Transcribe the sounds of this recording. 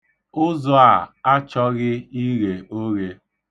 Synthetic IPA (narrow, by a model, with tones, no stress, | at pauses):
ʊ˦zɔ˦a˨a˦t͡ʃɔ˦ɣɪ˦i˦ɣe˨o˦ɣe˦